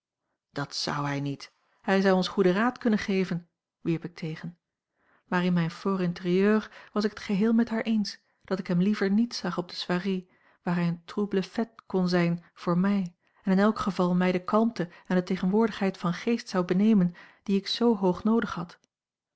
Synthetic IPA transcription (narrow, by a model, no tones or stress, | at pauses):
d̥ɑtsɑ̰wɦɛjnit | hɛjzɑwɔnsχudəraːtkɵnənχejvən | ʋiɹpɪk̚tʰejχən | maːɹɪnmɛjnfoːɾɪntərijøːrʋɑsɪkɦətχəɦɪːlˠmɛtɦaːɹʔejns | d̥ɑtɪkɦɛmlivəɹnitsɑχɔb̚d̥əsʋaːri | ʋaːɹɦɛjəntrubləfɛtkɔnzɛjnv̥ʊːɹmɛj | ɛnɪnɛlˠkχəvɑlˠmɛjdəkɑlˠmtəɛndətejχənʋʊːɹdəχɦɛjtfɑnχejstsɑwbənejmənd̥iɪksowɦowχnowdəχhɑt